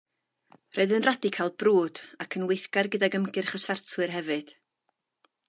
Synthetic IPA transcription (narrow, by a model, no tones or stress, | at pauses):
roɨðənradikʰalˠbruːd̥akʰənwɪjθɡ̥arɡədaɡəmɡɨrχəsartʰwɨrɦɛvɨd̥